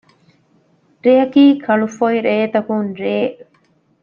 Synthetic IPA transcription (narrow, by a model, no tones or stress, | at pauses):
ɾeɦɐkiːkʰɐɭufojɾeːt̪ɐkunɾeː